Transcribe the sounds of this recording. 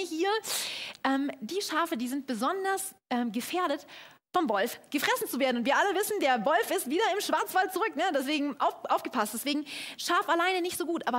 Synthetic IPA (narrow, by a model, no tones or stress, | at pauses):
hiːɐʔɛːmd̥iːʃaːfədiːzɪnt̚b̥əzɔndɐs | ʔɛːmɡəfeːɐɾət | fɔmvɔlfɡ̥əfʁ̥ɛsn̩t͡suveːɐdn̩ʊntv̥iːɐʔaləvɪsn̩deːɐvɔlfɪstv̥iːdɐɪmʃv̥aɐt͡sv̥altt͡suʁʏknədɛs̬v̥eːɡŋ̩ʔa̰ʊfʔaʊfɡ̥əpʰast̚d̥ɛsv̥eːɡŋ̩ʃaːfalaɪnənɪçtz̥oːɡuːtʔaːbɐ